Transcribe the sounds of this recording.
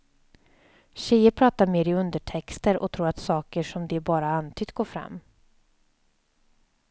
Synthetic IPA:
ɕɛjəɾpʰɾɑːt̪aɾmeːɾɪɵnd̪əʈʰɛkst̪əɾʔɔ̰t̪ʰɾuːɾat̪sɑːkəʂɔmd̪ɛːbɑːɾaant̪ʰʏt̪̚ɡoːɾfɾa̰mː

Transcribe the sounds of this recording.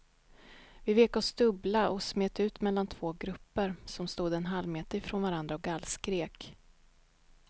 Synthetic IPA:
vɪveːkɔsd̪ɵblaʔɔsmeːt̪ʉ̟ːt̪mɛlːant̪ʰv̥oːɡɾɵpːəɾsɔmst̪uːd̪ɛnɦalmeːt̪əɪfɾoːnvaɾand̪ɾaɔk̚ɡalːskɾeːk

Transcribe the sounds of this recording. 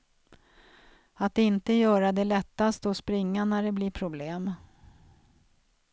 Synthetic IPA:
at̪̚ɪnt̪əjœːɾad̪ɛlɛt̪ːast̪ɔspɾɪŋːanæɖɛblɪpʰɾʊbleːm

